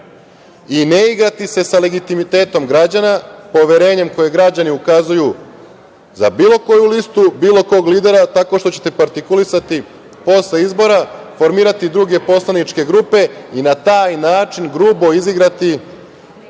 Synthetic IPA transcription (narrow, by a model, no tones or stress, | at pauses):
ineiɡɾat̪ise̞sale̞ɡit̪imit̪e̞ːt̪o̞mɡɾad͡ʑanapo̞ʋe̞ɾe̞ːɲe̞mko̞je̞ɡɾad͡ʑaniukazuju | za̰biːlˠo̞ko̞julist̪ubiːlˠo̞ko̞ːɡliːd̪e̞ɾat̪ako̞ʃt̪ot͡ɕe̞̥t̪e̞paɾt̪ikulisat̪i | po̞sle̞izbo̞ɾafo̞ɾmiːɾat̪id̪ɾuɡe̞po̞slˠanit͡ʃke̞ɡɾuːpe̞inat̪aːjnaːt͡ʃinɡɾuːbo̞iziɡɾat̪i